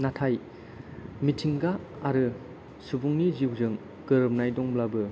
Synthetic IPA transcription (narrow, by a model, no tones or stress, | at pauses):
natʰaj | mitʰiŋɡaːɾɯ | subuŋniziwzɯŋ | ɡɯɾɯp̚najdɔŋblabɯ